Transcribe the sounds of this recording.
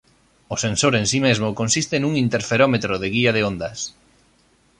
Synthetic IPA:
ʊsensoɾẽnsimezmʊkonsist̪ɪnuŋint̪eɾfeɾomet̪ɾoðɪɣiɐðɪond̪ɐs

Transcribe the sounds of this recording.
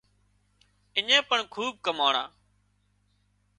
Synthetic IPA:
ɪɲẽːpəɳkʰuːb̚kəmaːɳã̰ː

